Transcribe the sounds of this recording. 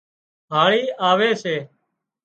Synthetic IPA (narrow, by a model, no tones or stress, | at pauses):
ɦaːɭiːʔaːʋeːseː